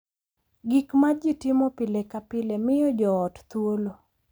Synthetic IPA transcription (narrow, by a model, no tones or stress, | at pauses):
ɡikmad͡ʒitɪmɔpɪlekapɪlemɪjɔd͡ʒɔːtt̪wolo